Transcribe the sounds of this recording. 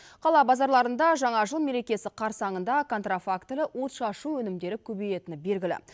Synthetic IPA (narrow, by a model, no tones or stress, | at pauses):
qʰɑlˠɑbɑzɑɾlˠɑɾənd̪ɑʒɑɴɑʒəlˠme̞ɾe̞kʲe̞sɪqʰɑɾsɑɴənd̪ɑkʰo̞nt̪rafakt̪lɪʔwo̞t̪ʃɑʃuwɵnɪmd̪e̞ɾɪkʲʰɵbeje̞t̪ɪnɪbe̞lɡʲɪlɪ̰